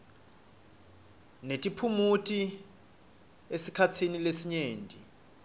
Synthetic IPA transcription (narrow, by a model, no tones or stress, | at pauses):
netʼipʰumutʼi | esikʰat͡sʰinilesiɲeːndʱʼi